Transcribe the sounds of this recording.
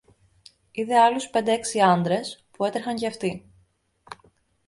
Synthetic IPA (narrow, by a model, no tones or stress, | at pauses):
iðe̞ɐluspe̞nd̪eeksiɐnd̪ɾe̞spue̞t̪ɾxɐɲceɐft̪i